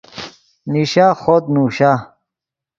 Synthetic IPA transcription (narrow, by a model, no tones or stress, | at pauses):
niɕaxod̪nuːɕa